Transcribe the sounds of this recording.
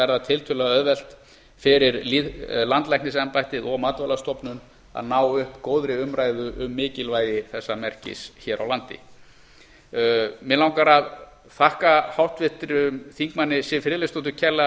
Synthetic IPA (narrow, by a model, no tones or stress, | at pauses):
ɛɾðat̪ʰɪlt̪ʰʏlaœðvɛl̥t̪ | fɪɾɪɾliðlant̪lajknɪsɛmpajht̪ɪðɔɣmaːt̪valast̪ɔpnʏn | a̰ðnaːwʏhpkoːwðɾɪʏmɾaːjðʏʔʏmːɪːcɪlvaːjðɪθɛsːamɛr̥cɪ̰sçɛɾʔa̰wlant̪ɪ̰ | mɪlawŋkaɾað | θahkahawht̪vɪht̪ɾʏmθiŋkmanːɪsɪfɪlɪst̪ot̪̬ʏcʰɛla